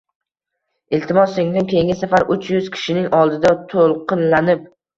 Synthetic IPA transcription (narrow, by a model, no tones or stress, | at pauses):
ɪlt̪ʰɪmɒseŋd̪ɪŋkʲe̞ŋʲɪsafaɾʔʊt͡ʃʰjʊz̥kʲʰɪ̥ʃɪnɪŋʔɒlˠd̪ɪd̪at̪ʰolˠqʰɨnlanɪp̚